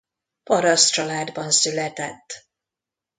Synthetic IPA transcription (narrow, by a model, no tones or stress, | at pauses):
pɒɾɒst̪t͡ʃɒlaːd̪bɒnsylɛt̪ɛt̪ː